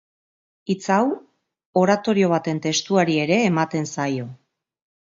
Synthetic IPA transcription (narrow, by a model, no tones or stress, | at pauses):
it͡saw | o̞ɾat̪o̞ɾio̞β̞at̪e̞nt̪e̞st̪uaɾie̞ɾe̞ːmat̪e̞nsajo̞